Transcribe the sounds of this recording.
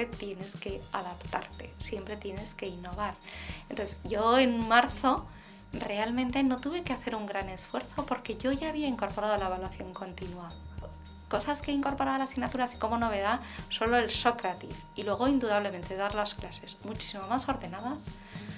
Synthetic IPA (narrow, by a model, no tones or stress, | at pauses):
et̪je̞ne̞ske̞aðapt̪aɾt̪e̞̰sje̞mpɾe̞t̪je̞ne̞ske̞inːo̞β̞aɾent̪oθzʝo̞e̞nmaɾθo̞ | re̞almẽnt̪e̞no̞t̪uβe̞keaθe̞ɾuŋɡɾane̞sfwe̞ɾθo̞po̞ɾke̞ʝo̞ʝaːβiaiŋko̞ɾpo̞ɾaðolaeβalwaθjo̞ŋko̞nt̪inwa | ko̞saskeeiŋko̞ɾpo̞ɾaðlasiɣnat̪uɾaːsi̥ko̞mo̞no̞β̞e̞ðaso̞lo̞elso̞kɾat̪ḭs | ilwe̞ɣ̞o̞ind̪uðaβle̞ment̪e̞ðaɾlasklase̞smut͡ʃi̥simo̞maso̞ɾðe̞naðas